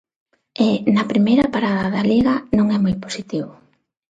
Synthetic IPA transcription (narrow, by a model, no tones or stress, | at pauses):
ɪnɐpɾimejɾɐpaɾaðɐðaliɣɐnõŋɛmojpo̥sit̪iβʊ